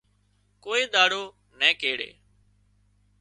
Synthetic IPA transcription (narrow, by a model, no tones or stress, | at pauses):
koːeːd̪aːɽoː | nɛ̃ːkeːɽḛː